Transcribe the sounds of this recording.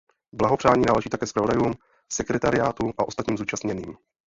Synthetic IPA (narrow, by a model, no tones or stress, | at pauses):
blaɦo̞pr̥aːɲiːnaːlɛʒiːt̪akɛːspɾavodajuːm | sɛkɾɛt̪aɾɪjaːt̪uʔaʔo̞st̪at̪ɲiːmzuːt͡ʃast̪ɲɛniːm